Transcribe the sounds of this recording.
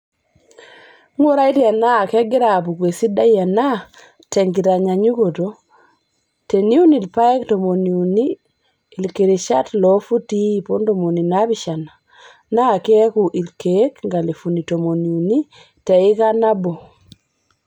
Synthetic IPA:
ŋo˦ɾa˦i˦tɛ˨na˦˨kɛ˦ɡi˦ɾa˨pu˨kwe˨si˦da˦jɛ˨na˦ | tɛ˨ŋɡi˨ɾa˨ɲa˨ɲu˦ko˨to˦ | te˨ni˦u˦ni˨lpa˦ɛ˦kto˨mo˨niu˨niː˦˨ | lke˨ɾi˨ʃa˦tlɔ˨fu˦ti˦po˦ndo˨mo˨ni˨na˦pi˦ʃa˨na˨ | na˦˨kɛ˦ku˨ʔi˨lkee˦kŋɡa˨li˨fu˨ni˨to˨mo˨ni˨u˨ni˦ | tɛ˨i˦ka˦na˦bo˨

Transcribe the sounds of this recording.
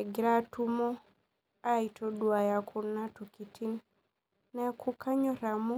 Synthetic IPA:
ɛ˨ɡɪ˨ɾa˦tu˦mɔ˦ | a˦i˨tʰo˦du˨a˨ja˨kʰʊ˨na˦to˨ki˨tʰi˦n | nɛ˦kʰʊ˦kʰa˦ɲɔ˦ɾa˨mɔ˦

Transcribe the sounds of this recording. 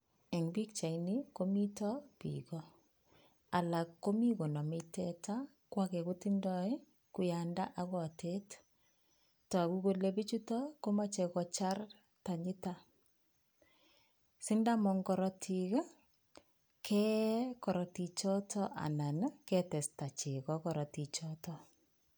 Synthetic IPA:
ɛ˨ŋbi˦k̚t͡ʃa˨iniko˦mi˦tɔ˦pḭkɔ˦ | a˨la˨kkːo˦mi˦ko˨nɔ˨metɛta˦ | kwa˦kɛ˨ku˦tindɔ˦i˦ | ku˨janda̰˦ʔa˦kɔ˨tʰe˦t | ta˨ku˦kolebi˦t͡ʃu˦tɔ˦ko˦ma˦t͡ʃe˨kɔ˨t͡ʃa˦r | ta˨ɲɪ˦ta˦ | sɪ˦nda˦mɔ˨ŋɡɔ˨ɾɔ˦tʰik | kʰɛ˦kɔ˨ɾɔ˨ti˨t͡ʃɔ˦tʰɔ˦ʔa̰˨na˨n˦kɛ˦tɛ˨sta˨t͡ʃe˨kɔkɔ˨ɾɔ˨ti˨t͡ʃɔtɔ

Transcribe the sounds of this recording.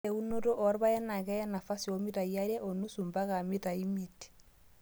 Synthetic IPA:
eu˦no˦toʔo˨ɾβa˦je˦na˨kɛ˦je˦na˨fa˦si˨o˦mi˦ta˨ia˦ɾeʔo˨nusumba˦ka˨mi˦ta˨imiti̥

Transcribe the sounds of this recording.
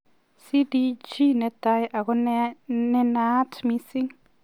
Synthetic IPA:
si˦di˦d͡ʒi˦nɛ˦ta˦jʔa˨ku˦nnɛ˦na˦tʰmi˦si˦ŋ

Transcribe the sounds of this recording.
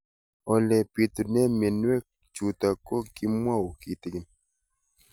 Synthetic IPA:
ɔ˨lɛ˨pi˨t̪u˨nɛ˦me˨nwɛ˦ | t͡ʃu˨ta˨ko˦ki˦mwa˦˨o˨ki˨tɪ˨kɪ˨n

